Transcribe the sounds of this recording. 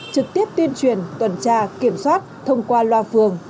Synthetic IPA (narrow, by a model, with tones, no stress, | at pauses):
t͡ɕɨ˨˩k̚t̪i˦˥əp̚t̪i˧ənt͡ɕwi˨˩ənt̪wə˨˩nt͡ɕaː˧ki˧˩əmswaː˦˥t̚t̪ʰə˧wŋ͡mkwaː˧lwaː˧˩fɨ˨˩əŋ